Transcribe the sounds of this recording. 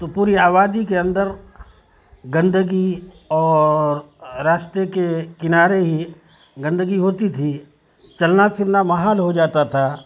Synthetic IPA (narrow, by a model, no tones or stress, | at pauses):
t̪opuːɾiaːβaːd̪ikeɐ̃nd̪əɾ | ɡɐ̃nd̪əɡi | ɔːɾː | aːʃt̪ekekɪnaːɾeɦi | ɡɐ̃nd̪əɡiɦoːt̪it̪ʰi | t͡ʃɐlnapʰɪɾnamɐɦaːlɦod͡ʒaːt̪at̪ʰaː